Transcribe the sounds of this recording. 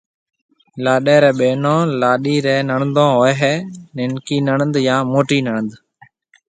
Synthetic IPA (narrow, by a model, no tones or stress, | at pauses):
laːɗɛːɾɛːɓeːnõːlaːɗiːɾɛːnəɳənd̪õːɦoːeɦeːnɪnkiːnəɳənd̪jãːmoːʈiːnəɳənd̪